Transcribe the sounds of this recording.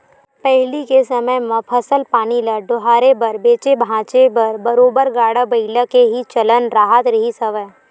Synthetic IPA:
pɛɦlikesɐməjmɐ̃pʰɐsəlpaːniləɖʊɦaːɾebɐɾbeːt͡ʃebʱãːt͡ʃebɐɾbɐɾoːbəɾɡaːɽəbɐɪləkeɦit͡ʃɐlənɾaːɦət̪ɾɐɦisɐʋəj

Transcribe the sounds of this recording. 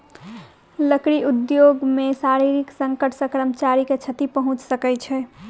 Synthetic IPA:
ləkɾiʔud̪joɡmesaɾiɾiksə̃ŋkəʈʰsəkɾəmt͡ʃaɾiket͡ʃʰət̪ipəɦũt͡ʃsəkɛt͡ʃʰɛ

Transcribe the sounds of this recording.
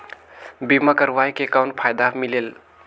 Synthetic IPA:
bimakəɾʋajkekaʊnʈ̚pʰajd̪amilel

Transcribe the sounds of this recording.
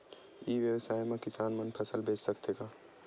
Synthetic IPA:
iːʋjəwəsaːjmẽkɪsaːnmɐnpʰəsəlbʱeːt͡ʃsəkt̪eːɡaː

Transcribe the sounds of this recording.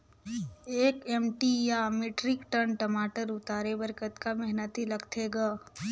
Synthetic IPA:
eːkɛːmʈijamɪʈɾɪkʈənʈɐmaːʈəɾʊt̪aːɾebəɾkət̪kamɛɦnət̪ilɐɡt̪ʰeːɡaː

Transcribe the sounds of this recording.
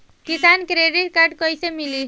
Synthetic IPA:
kisankɾeɖiʈ̚kaɾɖkəjsemili

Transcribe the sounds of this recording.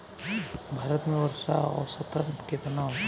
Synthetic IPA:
bʱaːɾət̪mẽʋəɾʃaɔ̰sət̪əɾnket̪na

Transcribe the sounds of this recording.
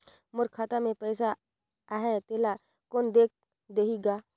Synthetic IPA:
mʊɾkʰaːt̪amẽpɛːsa | aɦɛt̪ela | koːnd̪eːk̚ʰ | d̪eːɦiɡaː

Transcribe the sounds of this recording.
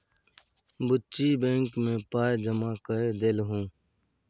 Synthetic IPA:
bʊtt͡ʃibẽːŋkmẽpaːjd͡ʒəmaːkəed̪elɦũː

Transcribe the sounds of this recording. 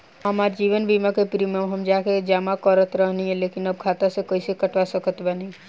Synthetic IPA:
ɦɐmaːɾd͡ʒiːʋənbiːmakepɾimẽɦɐmd͡ʒaːked͡ʒaːmakɔɾət̪ɾəɦniɦɛ̃leːkɪnɐb̚kʰaːt̪asekoːisekɐʈʋasəkət̪bənĩ

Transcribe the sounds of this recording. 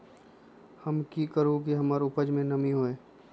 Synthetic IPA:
hɐmkikəɾõk̬iɦɐmaːɾʊpəd͡ʒmẽnɐmiɦoːẽː

